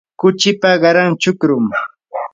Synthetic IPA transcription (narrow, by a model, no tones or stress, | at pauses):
kʊt͡ʃɪpaɢɑɾaŋt͡ʃʊkɾʊm